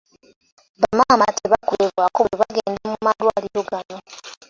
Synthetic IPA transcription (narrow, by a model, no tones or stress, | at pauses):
βamaːmatʰeβakoleβwakoeβaɡeːndamumalwaːliɾo̞ɡano̞